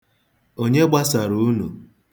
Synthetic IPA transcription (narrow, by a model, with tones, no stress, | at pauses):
o˦ɲe˦ɡ͡ba˦sa˨ɾu˨˦nu˨